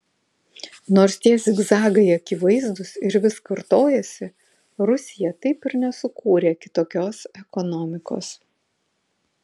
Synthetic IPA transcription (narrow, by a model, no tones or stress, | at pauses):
noːɾst̪ʲiɛsɪɡzɑːɡɐɪɐkʲɪʋɐɪzd̪ʊsɪɾʋʲɪskɐɾt̪oːjɛsʲɪ | ɾʊsʲɪjɛt̪ɐɪpɪɾnʲɛsʊkʰuːɾʲeːɐkʲɪ̥t̪oːkʲoːsɛkɔnɔːmʲɪko̰ːs